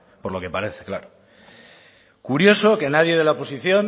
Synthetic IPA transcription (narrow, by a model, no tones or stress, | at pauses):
po̞ɾlo̞ke̞paɾe̞θeklaɾo | kuɾjo̞so̞ke̞nað̞je̞ðelaopo̞siθjo̞n